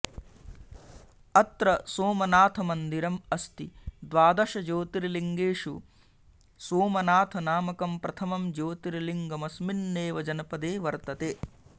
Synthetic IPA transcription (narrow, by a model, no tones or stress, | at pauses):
ɐt̪ɾɐsoːmɐnaːt̪ʰɐmɐnd̪iɾɐmɐst̪id̪ʋaːd̪ɐʃɐd͡ʒoːt̪iɾiliŋɡeːʂu | soːmɐnaːt̪ʰɐnaːmɐkɐmpɾɐt̪ʰɐmɐmd͡ʒoːt̪iɾiliŋɡɐmɐsminːeːʋɐd͡ʒɐnɐpɐd̪eːʋɐɾt̪ɐt̪eː